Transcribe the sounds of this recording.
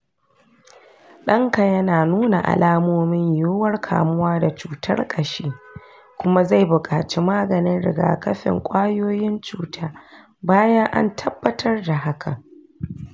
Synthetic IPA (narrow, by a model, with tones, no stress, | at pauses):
ɗɐ˦ŋkɐ˨jɐ˦naː˨nuː˦na̰˨ʔa̰˨laː˦moː˦mɪ˦ɲjoː˦wɐ˦rkʰa̰ː˨mʊ˦waː˦da˨t͡ʃuː˨tʰɐ̰˦rkʼɐ˨ʃeː˦ | kʷʊ˦ma˦za˦˨jbʊ˨kʼaː˨t͡ʃeː˦maː˦ɡɐ˨nɪ˦nɽɪ̰˨ɡa̰ː˨kɐ˦ɸɪ̰˨ŋkʷʼaː˦joː˦jɪ˦nt͡ʃuː˦tʰaː˦ | baː˦jɐ˦ŋʔa̰˦ntʰɐ˦bːɐ˦tʰɐ˦rda˨ɦa˦kʰa̰˨